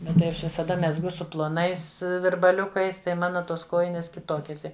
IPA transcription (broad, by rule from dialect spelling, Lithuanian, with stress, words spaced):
ˈbʲɛt tɐɪ ˈɐʃ ʋʲɪsɐˈdɐ mʲɛzˈɡʊ sʊ plˠoːˈnɐɪs ʋʲɪrbɐˈlʲʊkɐɪs tɐɪ ˈmɑːnɐ ˈtoːs ˈkoːjɪnʲeːs kʲɪˈtoːkʲeːs ɪɐ